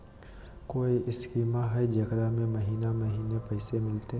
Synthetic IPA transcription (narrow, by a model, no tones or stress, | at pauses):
koːiʔɪskiːmaɦəd͡ʒɐkɾamẽmɐɦiːnamɐɦiːnepɛːsemɪlt̪e